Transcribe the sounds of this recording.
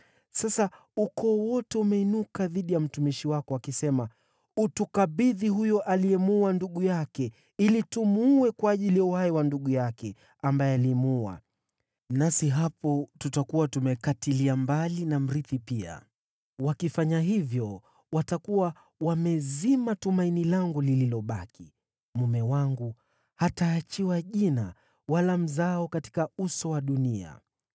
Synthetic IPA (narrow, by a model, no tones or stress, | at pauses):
sasa | ukɔːwɔtɛumɛinukaðiɗijam̩tumiʃiwakɔakisɛma | utukaɓiðiɦujɔʔalijɛmuanduɠujakɛ | ilitumuwɛkwaːʄilijauhajɛwanduɠujakɛ | ambajɛalimua̰ | nasiɦapɔtutakuwatumɛkatiliambalinam̩ɾiθipia̰ | wakifaɲaɦivjɔ | watakuwa | wamɛzimatumainilaŋɡulililɔɓaki | mumɛwaŋɡu | hataːt͡ʃiwaʄina | walam̩zaɔkati̥kausɔwaɗunia̰